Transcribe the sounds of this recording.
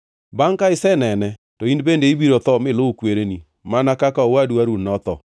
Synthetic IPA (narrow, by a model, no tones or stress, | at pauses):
baŋkaɪsɛnɛnɛtɔinbendeibiɾot̪ɔmɪlʊkweɾeni | manakakaɔwadwaɾunɔt̪ɔ̰